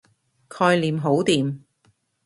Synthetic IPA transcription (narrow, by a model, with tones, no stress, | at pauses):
kʰɔː˧jliː˨˩mɦo˨˥wt̪iː˨m